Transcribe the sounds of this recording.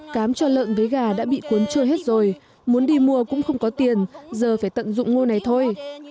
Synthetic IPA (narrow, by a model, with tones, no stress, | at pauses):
kaː˨˦mt͡ɕɔ˧lə̰ː˧˨nvəː˨˦jɣaː˨˩ɗa̰ː˧˥ɓḭ˧˨ku˨˦ənt͡ɕə˧jɦe˦˥t̚zo˨˩j | mu˨˦nɗi˧mu˧əkʊ̰˧˥ŋ͡mxə˧wŋ͡mkɔ˨˦t̪i˨˩ənzəː˨˩faː˧˩jt̪ə̰˧˨nzʊ̰˧˨ŋ͡mŋo˧na˨˩jt̪ʰo˧j